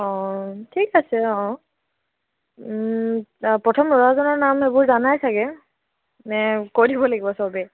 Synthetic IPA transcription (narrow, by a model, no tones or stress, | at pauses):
ɔ̃tʰikasɛɔ̃ | pɹɔtʰɔmɹɔɹazɔnɔɹnamebʊɹzanajsaɡɛ | nɛkodibɔlaɡibɔsɔbɛ